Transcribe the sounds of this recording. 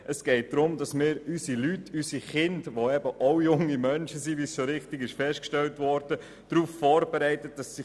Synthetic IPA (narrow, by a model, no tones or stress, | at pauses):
ʔəsɡ̥ɛɪt̚d̥ɾʊmdɑsmɪːɾysilytːysiχɪndʋoɛbəʔoʊjʊŋːimœnʃəsivisʃoɾɪχtɪɡɪʃfɛʃtkʃtɛltʋɔɾd̥ə | d̥ɾuːfffɔːɾb̥ɛɾɛɪtət̚d̥ɑsːi